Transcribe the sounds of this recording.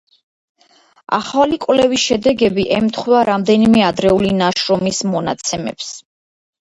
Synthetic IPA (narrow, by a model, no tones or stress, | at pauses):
a̰χalikʼwlɛviʃɛd̪ɛɡɛbiʔɛmt̪ʰχvaɾamd̪ɛnimɛad̪ɾɛulinaʃɾɔmismɔna̰t̪sʰɛmɛ̰ps